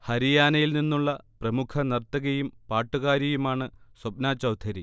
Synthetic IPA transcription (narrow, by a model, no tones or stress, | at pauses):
hɐɾijaːnɐjilninːuɭːɐprɐmukʰɐnɐrt̪ɐɣɐjumpaːʈːuɣaːɾjɐjumaːɳɨswɐp̚naːt͡ɕːɐwd̪ʰʱɐɾi